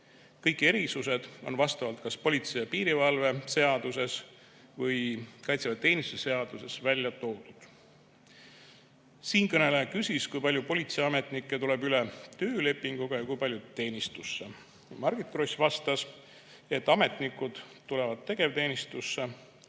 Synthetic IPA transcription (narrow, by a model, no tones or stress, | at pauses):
kɤjkːˑe̞ɾisuse̞d̪̥o̞̰nvɑst̪ɑvɑlt̪̚kɑspo̞lʲit̪sejɑpiːɾivɑlve̞se̞ɑd̪use̞s | vɤjkɑjt̪sevɑt̪e̞ːnisu̥t̪ese̞ɑd̪̥use̞svælʲjɑt̪o̞ːd̪̥ud̪̥ | siːnkɤne̞leɑkysʲiskujpɑlʲjupo̞lʲit̪seɑme̞t̪ˑnikˑːe̞t̪ule̞byle̞t̪ø̞ːle̞pːˑiŋɡ̥uɡ̥ɑjɑkujpɑlʲjut̪e̞ːnist̪usːe̞ | mɑrɡ̥it̪kro̞sʲvɑst̪ɑs | et̪ːˑɑme̞t̪ˑnikːˑud̪̥t̪ːule̞vɑd̪̚t̪e̞ɡ̥e̞vt̪e̞ːnist̪usːe̞